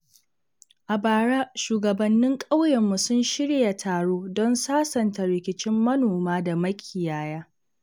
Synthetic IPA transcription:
ʔa˨baː˨ɽaː˦ʃuː˨ɡɐ˨bɐ˨nːɪ˦ŋkʼa˦wjɐ˨mːu˨sʊ˦nʃɪ˦ɽja˨tʰaː˨ɽoː˦dɔ˦nsaː˦sɐ˨nta˨ɾɪ˨kʲɪ˨t͡ʃɪ˦mːɐ˦noː˨maː˦da˨mɐ˦kʲʼʰɪ˨jaː˦jaː˦

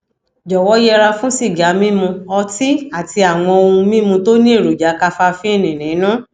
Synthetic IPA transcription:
d͡ʒɔ˨wɔ˨˦jɛ˧ɾa˧fũ˦si˦˨ɡa˨˦mĩ˦mũ˧ɔ˧ti˦a˦˨ti˧a˨w̃ɔ̃˧o˧ũ˧mĩ˦mũ˧to˦nĩ˦e˦˨ɾo˨d͡ʒa˨˦ka˧fa˧fĩ˦e˦˨nĩ˨nĩ˨˦nã˦

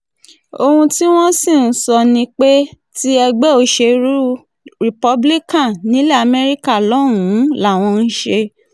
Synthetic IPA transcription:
o˧hũ˧ti˦w̃ɔ̃˦sĩ˦˨n̩˨sɔ˧nĩ˧k͡pe˦ | ti˦ɛ˧ɡ͡bɛ˦o˧ʃe˧ɾu˦ | ɾi˨pɔ˦bli˦kã˦˨nĩ˨˦lɛ˦a˨mɛ˧ɾi˦ka˦˨lɔ˨˦ɾ̃ũ˨˦la˦˨w̃ɔ̃˧n̩˦ʃe˧

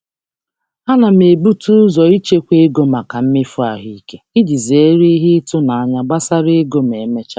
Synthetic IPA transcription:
a˦na˨me˨bu˦tu˦zɔ˨i˦t͡ʃe˦kʷe˦e˦ɡo˦ma˨ka˨m̩˦mɪ˦fʊ˦a˨ɦi˦ke˦i˦d͡ʒi˨ze˨˦ɾi˦ɦi˦tʊ˦na˨a˦ɲa˦ɡ͡ba˦sa˦ɾe˦e˦ɡo˦m̩˨e˨˦me˦t͡ʃa˦

